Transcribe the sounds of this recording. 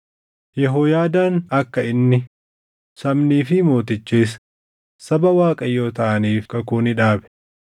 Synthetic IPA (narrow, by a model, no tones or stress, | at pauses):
jɛɦoːjaːd̪aːnɐkːɐɪnːɪ | sɐmniːfɪmo̞ːt̪ɪt͡ʃːeːs | sɐbɐwaːkʼɐjo̞ːt̪ɐʔɐniːfkɐkuːnɪᶑaːbɛ̥